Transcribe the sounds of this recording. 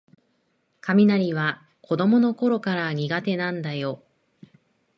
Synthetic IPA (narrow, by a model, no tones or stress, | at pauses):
kamʲinaɾʲiβ̞a | kʰo̞d̪o̞mo̞no̞ko̞ɾo̞kaɾaɲ̟iɡat̪e̞nãnd̪ajo̞